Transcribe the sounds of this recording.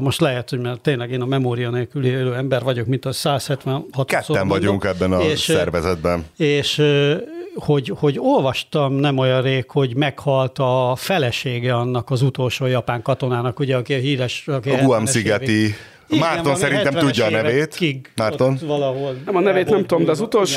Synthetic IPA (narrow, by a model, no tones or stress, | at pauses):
mo̞ʃt̪lɛɦɛt̪hoɟmaːrt̪eːnlɛɡeːnɒmɛmoːɾijɒneːlkylieløːɛmbɛrvɒɟo̞kmint̪ɒsaːshɛt̪ʋɛnhɒt̪kɛtsoːɛnvɒɟuŋkɛbːɛnɒeːʃsɛrvɛzɛd̪̚bɛneːʃ | ho̞ɟho̞ɟo̞lvɒʃt̪ɒmnɛmojɒ̃nreːkho̞ɟmɛkhɒlt̪ɒfɛlɛʃeːɡɛɒnːɒkɒzut̪o̞lʃoːjɒpaːŋkɒt̪o̞naːnɒkuɟɛɒkiɒɦiːɾɛʃɒkiɡuamsiɡɛt̪i | imaːrt̪onsɛɾinɛt̪ɛmʋɛuɟːɒːɛveːt̪kːiɡmaːrt̪onʋɒlɒɦolɛmɒnɛveːt̪nɛmt̪uomd̪ɛːzut̪olʃ